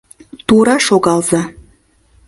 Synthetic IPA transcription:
t̪uɾɑʃoɣɑlˠzɑ

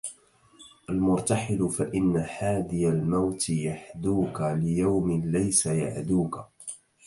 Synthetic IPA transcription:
ʔalmʊɾt̪ɑħɪlʊfaʔɪnːaħaːd̪ɪjalmawt̪ɪjaħd̪uːkalɪjawmɪlajsaja̰ʕd̪uːka

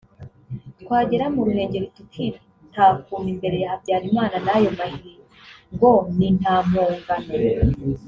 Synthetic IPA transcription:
tkwaːɟe̞ɾamuɾune̞ːɲɟe̞ɾitutʰiɾi | n̥taːfuːmimbe̞ɾe̞jahabɟaːɾimaːnanajo̞mahiːɾiŋɡo̞nin̥aːmoːŋɡane

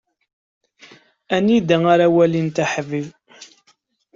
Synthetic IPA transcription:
ænid̪æaɾæwælint̪aħəviv

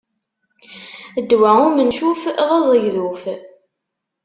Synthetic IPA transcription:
əd̪ːwæʊmənʃufðˤɑzˤəjðuf

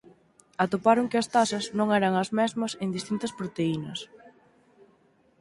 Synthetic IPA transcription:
ɐt̪opaɾoŋkɪɐst̪asɐznõŋɛɾɐŋɐzmɛzmɐsend̪ist̪int̪ɐspɾot̪einɐs

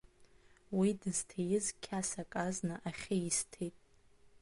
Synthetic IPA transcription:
widɨz̥tʰejɪzkʲʰasakʼaznɨʔaχʲajɪstʰejtʼ

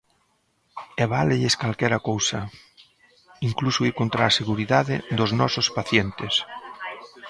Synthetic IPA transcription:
eβaleʎeskalkɛɾakowsa | iŋklusoiɾkont̪ɾaːseɣuɾiðaðɪ̰d̪oznɔsospaθjent̪es

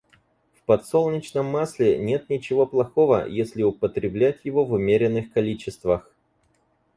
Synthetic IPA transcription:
fpɐt̪solˠnʲɪt͡ɕnəmːasʲlʲɪnʲe̞t̪nʲɪt͡ɕɪvo̞plˠɐxo̞və̰jesʲlʲɪʊpət̪ɾʲɪblʲætʲjɪvo̞vʊmʲeɾʲɪnːɨxkɐlʲit͡ɕɪst̪vəx

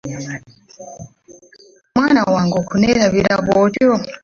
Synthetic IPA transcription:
mwanawaŋɡukunɛɾaβiɾaβɔdɔ

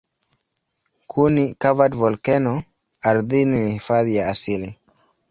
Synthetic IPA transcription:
kʰunikavadvɔlkɛnɔaɾðiniifaðjaasili

